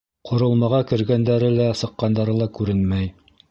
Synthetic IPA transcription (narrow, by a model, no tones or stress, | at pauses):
qʰŏɾɤ̆lˠmɑʁɑkɘ̆ɾɡænd̪æɾɘlæsɤ̆qːɑnd̪ɑɾɤlˠɑkʉɾɘnmæj